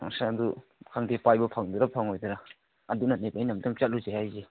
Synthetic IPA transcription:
a̰ŋsadukʰaŋdepajbɐpʰaŋdɯɾapʰaŋojdɯɾaː | dunanepajnamdɯŋt͡ʃat̚luzajhajze

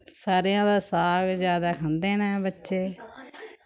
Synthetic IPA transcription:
saːɾejãːd̪aːsaːɡd͡ʒjaːd̪aːkʰə̃nd̪eːnɛːbətːʃeː

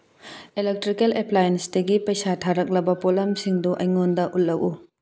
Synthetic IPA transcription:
elek̚tɾikeleplajensdɐɡipɐjsatʰaɾɐk̚lɐbɐpolɐmsiŋduʔɐjŋondɐʔulːɐwʔu

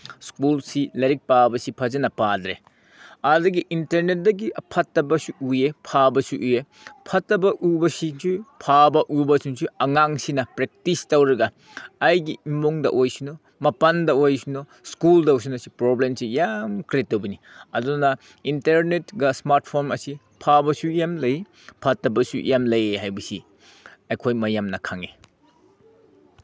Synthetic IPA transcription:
skulsilɐɾik̚pabɐsipʰɐzɐnɐpadɾḛ | ɐdɐɡiʔintɐɾnet̚dɐɡiʔɐpʰɐtːɐbɐsuujepʰabɐsuʔue | pʰɐtːɐbɐʔubɐsisupʰabɐʔubɐsunsuɐŋaŋsinɐpɾek̚tistɐwɾɐɡɐː | jɡiimoŋdɐ̰ʔojsino | mɐpɐndɐojsuno | skuldɐws̬unɐsipɾoblemsijamkɾetːɐwbɐni | ɐdunɐ | inteɾnetɡɐsmaɾt̚pʰoɾmɐsi | pʰabɐsujamlɐj | pʰɐtːɐbɐsṵjamlɐjeɦajbɐsi | ɐjkʰojmɐjamnɐkʰaŋe

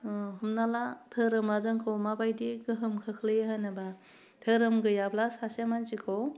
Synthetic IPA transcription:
ɦumnalatʰɯɾɯmazaŋkʰowmabajdiɡɯɦɯmkʰɯkʰlɯjeɦanaba | tʰɯɾɯmɡɯjablasasemant͡ʃikʰow

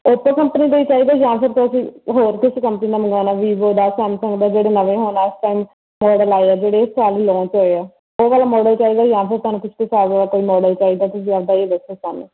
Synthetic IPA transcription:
op̪ːə̃kəmpəniːd̪eiːt͡ʃaːiːd̪aːd͡ʒãːpʰɪɾt̪ʊəsĩːɦoːɾkɪskəmpəniːnaːməɡaːnaːʋiːboːd̪aːsɛːmsəŋɡd̪aːd͡ʒeːɽeːnəʋẽːɦoːnaːɪsʈaːim | mɔːɖəlaːiɛːd͡ʒeːɽeːɪsaːliːlõːt͡ʃɦoːeɛː | oːʋaːlaːmɔːɖəlt͡ʃaːiːd̪aːjãːpʰɪɾt̪ʊɦaːnũːkɪsʰt̪esaːlʋaːlaːkoːiːmɔːɖəlt͡ʃaːiːd̪aːt̪ʊs̬ĩːad̪aːeːd̪əsesaːneː

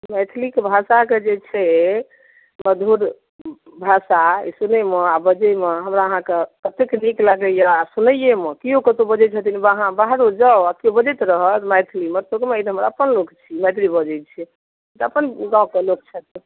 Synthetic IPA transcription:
mɛt̪ʰlikbʱasaked͡ʒet͡ʃʰɛ | məd̪ʱuɾ | bʱasaḭsunemeabəd͡ʒəjmeɦəmɾaəɦãkepət̪ekniklaɡəjasunəjemekijõkət̪obəd͡ʒɛt͡ʃʰət̪inibəɦãbaɦɾod͡ʒaakiobəd͡ʒɛt̪ɾəɦət̪mɛjt̪ʰlimet̪okmeed̪ɦəmɾaəpənlokt͡ʃʰimɛt̪libəd͡ʒɛt͡ʃʰɛ | et̪əpənɡãũkelok̚t͡ʃʰɛt̪

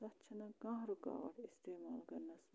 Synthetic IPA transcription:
ɐtːt͡ʃʰɐnɐɡãːɦɾuka̰ːʋɐ̰ʈist̪eːmaːlkɐɾnɐs

